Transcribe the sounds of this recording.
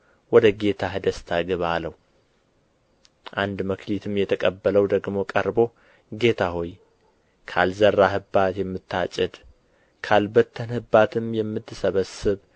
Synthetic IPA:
wɔd̪əɡe̞t̪ʰaɦɨd̪əst̪ʰaɡɨβaləhu | ʔand̪məklit̪ʰɨmjɛt̪ʰəkʼəbːələwd̪əɡmo̞kʼəɾbo̞ | ɡe̞t̪ʰaho̞j | kʰa̰lzərːahɨbat̪jɛmːɨt̪ʰːat͡ʃʼɪd̪ | kʰalbət̪ʰːənhɨbat̪ʰɨmjɛmːɨt̪ʰːɨsəβəsɨβ

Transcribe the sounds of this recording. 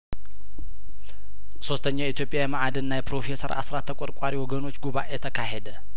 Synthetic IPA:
so̞st̪ʰəɲːait̪ʰjo̞pʼjajɛmaʔad̪ɨnːajɛpɾo̞fe̞səɾʔa̰sɾat̪ʰːəkʼɔɾkʼaɾiwɔɡəno̞t͡ʃːɡuβaʔjɛt̪ʰəkʰaɦed̪ə

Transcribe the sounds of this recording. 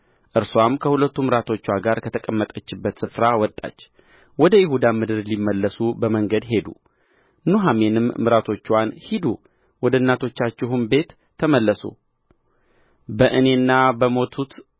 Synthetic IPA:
ʔɨɾswamkʰəhulət̪ːumɨɾat̪ʰo̞t͡ʃːwaɡaɾkʰət̪ʰəkʼəmːət̪ʼət͡ʃːɪbːət̪sɨfɾawɔt̪ʼːa̰t͡ʃː | wɔd̪əjɪhud̪amɨd̪ɨɾlimːəlːəsubəməŋɡəd̪ɦe̞d̪ṵ | nuɦame̞nɨmːɨɾat̪ʰo̞t͡ʃːwanhid̪u | wɔd̪əɨnːat̪ʰo̞t͡ʃːat͡ʃːɪɦumbe̞t̪ʰː | əməlːəsṵ | bəʔɨne̞nːabəmo̞t̪ʰut̪

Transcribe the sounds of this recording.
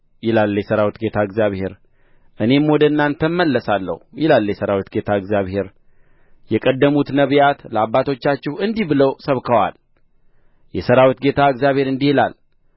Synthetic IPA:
jɪlalːjɛsəɾawit̪ɡe̞t̪ʰaɨɡzjaβhe̞ɾ | ʔɨne̞mwɔd̪əɨnːant̪ʰəmːəlːəsalːə̰hjɪlalːjɛsəɾawit̪ɡe̞t̪ʰaɨɡzjaβhe̞ɾ | jɛkʼəd̪ːəmut̪nəβjat̪ləabːat̪ʰo̞t͡ʃːat͡ʃːɪhɨnd̪ihbɨləwsəβkʰəwa̰l | jɛsəɾawit̪ɡe̞t̪ʰaɨkzjaβhe̞ɾɨnd̪ihɪla̰l

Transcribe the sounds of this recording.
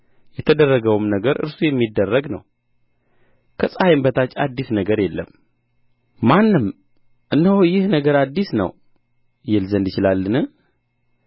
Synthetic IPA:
jɛt̪ʰəd̪ərːəɡəwmnəɡəɾɨ̰ɾsujɛmːid̪ːərːəɡnə̰w | kʰəsʼajɪmbət̪ʰat͡ʃʼːa̰d̪ːisnəɡəɾjɛlːə̰m | anːɨm | ʔɨnːəhjɪhnəɡəɾad̪ːisnə̰w | jɪlzənd̪jɪt͡ʃɪlalːɨnɨ

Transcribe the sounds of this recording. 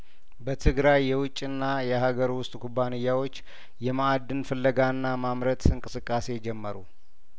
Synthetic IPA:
bət̪ʰɨɡɾajːɛwʊt͡ʃʼːɨnːajɛɦaɡəɾwʊst̪ʼkʰubːanɨjːawo̞t͡ʃː | jɛmaad̪ːɨnfɨlːəɡanːamamɾət̪ɨŋkʼɨsɨkʼːase̞d͡ʒɛmːəɾu

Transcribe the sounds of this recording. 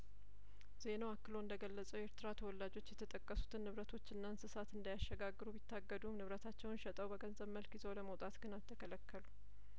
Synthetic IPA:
z̥e̞noakːɨlo̞ɨnd̪əɡəlːəsʼəwjɛɾt̪ʰɨɾat̪ʰəwɔlːad͡ʒo̞t͡ʃːjɛt̪ʰət̪ʼəkʼːəsu̥t̪ʰɨnːɨβɾət̪ʰo̞t͡ʃːɨnːansɨsat̪ɨnd̪ajaʃːɛɡaɡːɨɾubit̪ʰːaɡːəd̪umnɨβɾət̪ʰat͡ʃːɛwnʃɛt̪ʼəwbəɡənzəβməlkjizowləməwt̪ʼat̪ɡɨnalt̪ʰːəkʰələkʰːəlu

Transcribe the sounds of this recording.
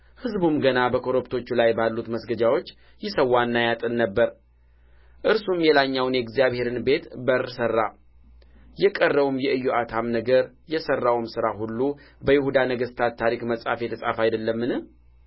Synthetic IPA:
hɨzbumɡənabəkʰo̞ɾopt̪ʰo̞t͡ʃːulajbalːut̪məsɡəd͡ʒawo̞t͡ʃː | jɪsəwːanːajat̪ʼɨnːəbːəɾ | ʔɨɾsumjɛlaɲːawnjɛɡzijaβhe̞ɾɨnbe̞t̪bəɾsərːa | jɛkʼərːəβumjɛʔɨjːoʔat̪ʰamnəɡəɾ | jɛsərːawmsɨɾahulːu | bəjɪhud̪anəɡəst̪ʰat̪t̪ʰːaɾikməsʼa̰fjɛt̪ʰəsʼa̰fajd̪əlːəmːɨnɨh

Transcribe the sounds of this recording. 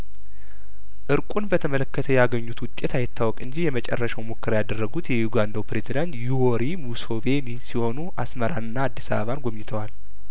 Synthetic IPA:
ʔɨɾkʼunbət̪ʰəmələkːət̪ʰəjaɡəɲːut̪wʊt̪ʼːe̞t̪ʰajɪt̪ʰːawɔkʼɨɲd͡ʒijɛmət͡ʃʼɛ̰rːəʃawmokːəɾjad̪ərːəɡut̪jɛjuɡand̪awpɾe̞zid̪ant̪juoɾimuso̞βenisiho̞nuʔasməɾanɨnːaːd̪ːisa̰βəβanɡʷomɲɪt̪ʰəwal

